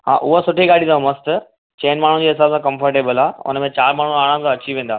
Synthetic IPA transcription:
ha̰ːʔʊɦosʊʈʰiɡaːɽĩd̪ãmɐst̪ | t͡ɕeːnmaːɳ̤ũd͡ʑiːɦɪs̬aːbsãkɐ̃mfəɾʈeːbəlaːʊ̰nəmẽt͡ɕaːɾmaːɳ̤ũaːɽ̃ãmsãɐt͡ɕiʋẽːnd̪aː

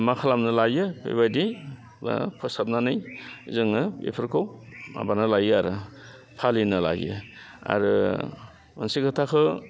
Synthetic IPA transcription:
makʰalamnɯlajɯpḛβadḭ | pʰɯsap̚nanɯjzɯŋɯbḛpʰɯɾkʰowa̰banɯlajɯaɾɯ | pʰalinɯla̰jɯ̰ | a̰ɾɯ | mɯnsikʰatʰakʰɯ

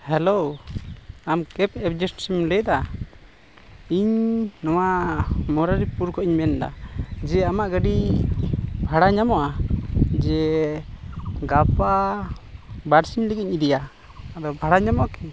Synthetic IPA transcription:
hɛlo | amkɛpɛpd͡ʒɛsʈsimlɛjd̪a | iɲnɔwamɔɾaɾipuɾkɔʔiɲmɛnd̪a̰d͡ʒɛamaʔɡəɖi | bʱaɽaɲamɔʔad͡ʒɛ | ɡapa | baɾsiɲləɡiɲid̪ija | ad̪ɔbʱaɽaɲamɔʔakɛ

